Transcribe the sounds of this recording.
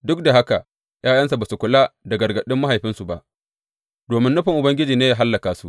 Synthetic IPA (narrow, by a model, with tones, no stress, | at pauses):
dʊ˦k̚da˨ɦa˦ka˨ʔ | jʔaː˦jɐ˦ns̬a˨baː˨su˨kʷʊ˨la˦dɐ˨ɡɐ˨rɡɐ˨ɗɪ˦mːa˦ɦa˨jɸɪ˦nsu˨ba˦ʔ | d̥oː˨mɪ˦nːʊ˦ɸɪ˨ŋʔʊ˨bɐ˦ŋɡʲɪ˦d͡ʒiː˨neː˦jaː˨ɦa˦lːɐ˨kaː˨su˨ʔ